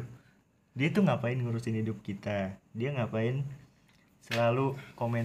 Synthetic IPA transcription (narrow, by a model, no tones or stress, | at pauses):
diat̪uŋapaɪnŋuɾusɪnhidʊp̚kit̪adiaŋapaɪn | səlalukomɛ